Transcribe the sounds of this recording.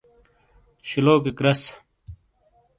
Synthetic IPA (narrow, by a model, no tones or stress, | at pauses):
ɕiloːkikɾɐs